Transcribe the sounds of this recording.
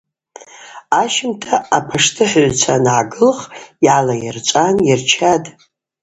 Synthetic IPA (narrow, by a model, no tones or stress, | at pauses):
aʃɪmtʰaapʰaʂtʰɨħɥʷt͡sʰanʕaɡɨlχiʕalajɪrt͡ʃʷʼanjɪrt͡ʃʰadʼ